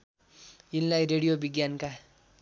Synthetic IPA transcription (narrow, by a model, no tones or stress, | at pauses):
jinlajɾeɽijobiɡjanka